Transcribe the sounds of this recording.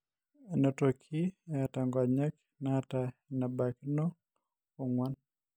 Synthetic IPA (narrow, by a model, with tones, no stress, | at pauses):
ɛnɔ˨tokʰi˦a˨ta˨ŋɡa˨ɲa˦k | nata˨na˨baki˦nɔ˦ | o˨ŋwa˦n